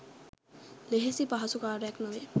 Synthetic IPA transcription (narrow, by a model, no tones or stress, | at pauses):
leɦesipaɦasukaɾɛknɔbe